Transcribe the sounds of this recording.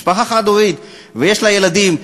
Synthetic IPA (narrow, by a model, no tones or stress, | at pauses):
paxaχad̪ovid̪ | veje̞ʃlaje̞lad̪im